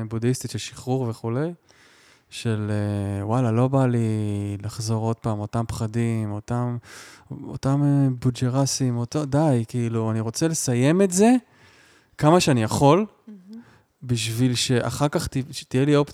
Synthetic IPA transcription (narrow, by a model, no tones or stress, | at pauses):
budist̪itʃelʃiχuʁve̞χule̞j | ʃe̞lewalalo̞balilaχzo̞ʁo̞d̚paːmo̞tampχadimo̞tam | o̰tamebud͡ʒeʁasimotodajkiiluaniʁo̞t͡sele̞saje̞me̞tze̞ | kamaʃeanijaχo̞l | biʃvilʃe̞ʔa̰χaʁkaχtit̪ijelio̞p